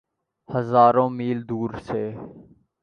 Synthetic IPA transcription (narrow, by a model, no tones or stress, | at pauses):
həzaːɾõːmiːld̪uːɾseː